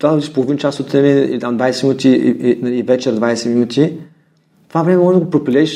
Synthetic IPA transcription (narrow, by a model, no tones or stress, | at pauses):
t̪vad̪ɐbd̪ʲiʃpolˠovint͡ʃasot̪ːɾɛmɛḭlit̪amd̪vajsɛminut̪ʲiinɐliːvɛt͡ʃɛɾd̪vajsɛminut̪ʰi | t̪ovavɾɛmɛmɔʒɛd̪əɡopɾopʲilʲɛiʃ